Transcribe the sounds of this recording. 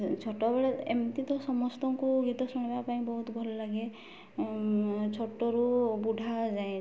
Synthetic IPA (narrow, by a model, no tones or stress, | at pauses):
t͡ʃʰɔʈɔbeɭɛemt̪it̪ɔsɔmɔst̪ɔŋkuɡit̪ɔsɔñibapaĩbɔɦut̪ɡʱɔlɔlaɡɛ | t͡ʃʰɔʈɔɾubuɖʱazaj̃